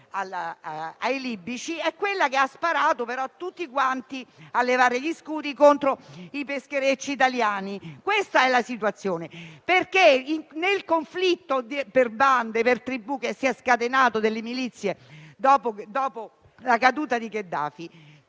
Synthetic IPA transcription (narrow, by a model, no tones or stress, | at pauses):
al | ajlibːit͡ʃiɛkːwelːakeaspaɾaːt̪opeɾɔt̪ːut̪ːikwant̪ialːevaːɾeʎiskuːd̪ikont̪ɾoipeskeɾet͡ʃːiːt̪aljaːnikwest̪aɛlasit̪uat̪sːjoːneperkeiŋnelkoɱflit̪ːod̪perband̪epert̪ɾibukesːiɛskat̪enaːt̪od̪elːemilit̪sːjed̪ɔːpod̪ɔːpo | lakad̪uːt̪ad̪iked̪ːa̰ːfi